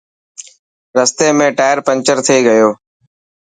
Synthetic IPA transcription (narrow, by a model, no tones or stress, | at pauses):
ɾəst̪eːmẽːʈaːjəɾpə̃nt͡ʃəɾt̪ʰeːɡəjoː